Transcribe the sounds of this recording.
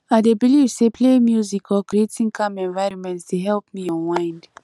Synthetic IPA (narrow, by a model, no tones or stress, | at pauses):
aɪdebilivsepʰlemjuzikʰɔkɹietĩŋkʰãmɛ̃nvaɪɹɔ̃nmɛ̃ntsdeɦɛlp̚miɔ̃mãɪ̃nd